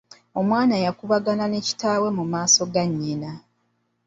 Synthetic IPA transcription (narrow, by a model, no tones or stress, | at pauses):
o̞mwaːnajakuβaɡanane̞ci̥taːwe̞mumaːso̞ɡaɲːena